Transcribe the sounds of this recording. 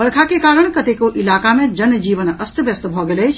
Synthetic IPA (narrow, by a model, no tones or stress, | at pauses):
bəɽkʰakekaːɾəɳ̃kət̪ekoʔɪlaːkamẽd͡ʒənd͡ʒiːʋənəst̪əbjəst̪bʱɔɡelɛt͡ʃʰ